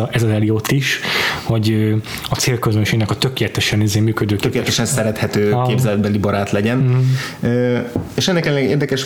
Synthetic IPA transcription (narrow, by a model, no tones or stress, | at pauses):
ɛzɒzɛliot̪ːiʃhoɟøɒseːlkøzønʃeːɡnɛkɒt̪økeːlɛt̪ɛʃɛnizeːmyːkød̪øːtøkeːlɛɛt̪ɛʃɛnsɛɾɛt̪hɛt̪øːkeːbzɛlɛd̪̚bɛlibɒɾaːt̪lɛɟɛnøːeːʃɛnːɛkɛlɛllɛɡḛːrd̪ɛkɛʃ